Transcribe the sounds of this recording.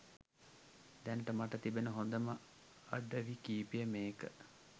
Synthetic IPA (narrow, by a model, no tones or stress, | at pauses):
d̪ɛnʈəmaʈət̪ibenəɦond̪əmə | ɐɖəʋikiːpijəmeːkə